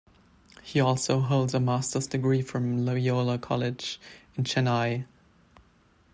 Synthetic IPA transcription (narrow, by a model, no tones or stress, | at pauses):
hiɔlˠsoʊɦoʊlˠdzəmæstə˞zdɨɡɹifɹʌ̃mloʊioʊlˠəkʰɑlˠɪd͡ʒɨ̃nt͡ʃænaɪ